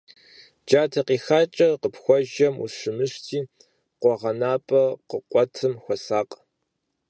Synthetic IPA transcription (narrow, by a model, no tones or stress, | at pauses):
d͡ʒaːtʰɐqiːxaːt͡ʃʼɐqəpxʷɔʒɐmṵʂɨmɨʂtʰiː | qʷɔʁɐnaːpʼɐqəqʷʼɔtʰɨmxʷɔsaːqʼ